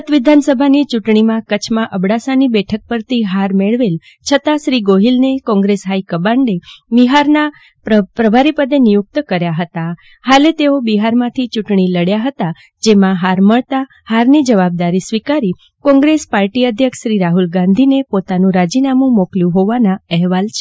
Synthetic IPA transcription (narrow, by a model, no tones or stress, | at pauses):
ət̪ʋid̪ʱansəbʱanit͡ʃuʈɳ̃imãkət͡ʃʰmãʔəbɽasanibɛʈʰək̚pəɾt̪iɦaɾmeɭʋel | t͡ʃʰət̪aʃɾiɡoɦilnekɔ̃ŋɡɾesɦaikəbaɳɖeʋiɦaɾna | pəpɾəbʱaɾipəd̪enijʊk̚t̪kəɾjaɦət̪a | halet̪eobiɦaɾmãt̪ʰit͡ʃuʈɳiləɽjaɦət̪a | d͡ʒemãɦaɾməɭt̪a | haɾnid͡ʒəʋab̚d̪aɾisʋikaɾi | kɔ̃ŋɡɾespaɾʈiəd̪ʱjəkʃɾiɾaɦulɡãnd̪ʱinepot̪anũɾad͡ʒinamũmokljũɦoʋanãɛɦʋalt͡ʃʰe